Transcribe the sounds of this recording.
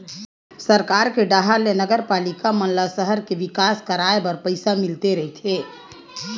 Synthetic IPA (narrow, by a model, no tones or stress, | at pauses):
səɾkaɾkeɖaɦaɾlenəɡəɾpalikamənlasəɦəɾkeʋikaskəɾaebəɾpəɪsamilt̪eɾəɦit̪ʰe